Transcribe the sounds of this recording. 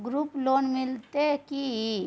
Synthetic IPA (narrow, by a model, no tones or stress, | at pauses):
ɡɾuːploːnmɪlt̪eki